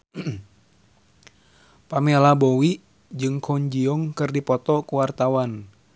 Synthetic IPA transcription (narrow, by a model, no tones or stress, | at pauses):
pamelabowiʔ | d͡ʒɨŋkʰɔɲd͡ʒiɔŋkɨrdipɔt̪ɔkuwart̪awan